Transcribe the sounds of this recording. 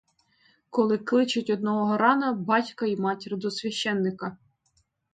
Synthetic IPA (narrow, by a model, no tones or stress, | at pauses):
kɔlˠɪklˠɪt͡ʃʊtʲɔd̪̚nɔɦɔɦɔɾɑnɐbɑtʲkɐimɑtʲiɾɪd̪ɔsʲʋʲɐʃt͡ʃɛnːɪkɐ